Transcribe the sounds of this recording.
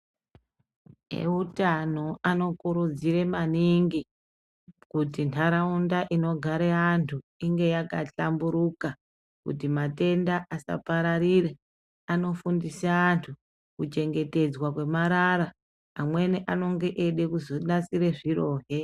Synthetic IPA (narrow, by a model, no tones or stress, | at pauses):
e̞̰utano̞ano̞kuɾud͡ziɾe̞maniŋɡi | kutintʰaɾaundaʔino̞ɡʱaɾeantʰuiŋɡe̞jakaɬambuɾuka | kṵtimate̞ndaʔasa̰paɾarire | ano̞fundisaantʰu | kut͡ʃe̞ŋɡe̞te̞d͡zwakwe̞maɾaɾaː | mwe̞niʔano̞ŋɡe̞ʔeɗe̞kuzoɗat͡siɾe̞ʐiro̞ːɦe̞